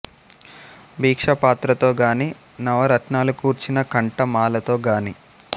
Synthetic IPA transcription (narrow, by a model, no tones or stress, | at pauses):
biːkʂɐpaːt̪ɾɐt̪o̞ːɡaːni | nɐʋɐɾɐʈnaːlukuːɾt͡ʃinɐkɐɳʈɐmaːlɐt̪o̞ːɡaːni